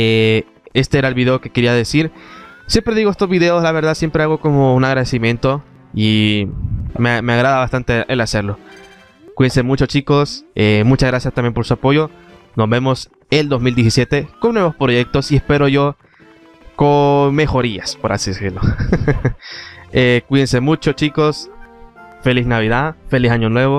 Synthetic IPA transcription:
e | e̞st̪e̞eɾaelβiðe̞o̞ke̞ke̞ɾiaðe̞siɾsje̞mpɾe̞ðiɣoest̪ozβiðe̞o̞zlaβe̞ɾðasje̞mpɾe̞aɣo̞ko̞mo̞unaɣɾaðe̞simjẽ̞nt̪o̞ | i | meme̞aɣɾaðaβast̪ant̪eelase̞ɾlo̞ | kwensemut͡ʃo̞t͡ʃiko̞semut͡ʃazɣɾasjast̪ambje̞npoɾsuapo̞ʝo̞ | no̞zβe̞mo̞s | eld̪o̞zmild̪jes̬isjet̪e̞konwe̞βo̞spɾo̞ʝe̞k̚t̪o̞siespe̞ɾo̞ʝo̞ | kome̞xo̞ɾiaspo̞ɾa̰siðesiɾlo̞ | ekwiense̞mut͡ʃo̞t͡ʃiko̞s | feliznaβiðafelisaɲonwe̞βo

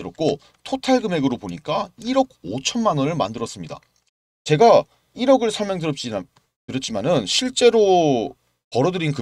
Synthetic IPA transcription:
ɯɾʌt̚k͈o | tʰotʰaɭɡɯme̞ɡɯɾopoɲik͈aiɾʌɡ̚ot͡ɕʰʌnmanɯnɯɭmandɯɾʌs͈ɯmɲida̰ | t͡ɕe̞ɡa | iɾʌɡɯɭsʰʌɭmeŋd̬ɯɾʌp̚t͡ɕ͈ina | kɯɾʌt͡ɕʰimanɯnɕʰiɭt͡ɕ͈e̞ɾo | pʌɾʌdɯɾinkɯ

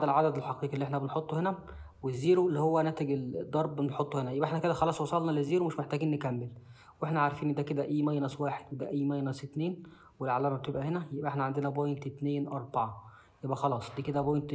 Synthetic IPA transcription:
ælʕad̪æd̪elħɑqiːqielːieħnæbenħot̪ˤːohenæ | wezːiːɾolːihowːænæːt̪eɡeld̪ˤːɑɾˤbeħot̪ˤːohenæjebʔeħnæked̪æxɑlɑːsˤwɑsˤɑlnɑlezːiːɾomeʃmeħt̪æɡiːnːekæmːel | weħnæʕaɾˤfiːnd̪æːked̪æʔijːmæjːænæswæːħed̪wed̪æʔiːmæjːnæset̪neːn | welʕalːæːmæbet̪ebʔæhenæjebʔæeħnæʕand̪enæbojnt̪et̪neːnʔɑɾˤbɑʕɑ | jebʔæxɑlɑːsˤd̪iːked̪æbojnt̪

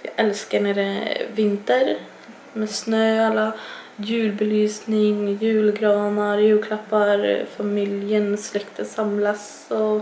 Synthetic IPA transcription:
ɪʔɛlskəɳɛɾəvɪnt̪əɾ | mɛsnøːalːajʉ̟ːlbɛlyːsnɪŋjʉ̟ːlɡɾɑːnaɾjʉːlkʰlapːaɾfamɪljənslɛkt̪ʰəsamlas | ɔ

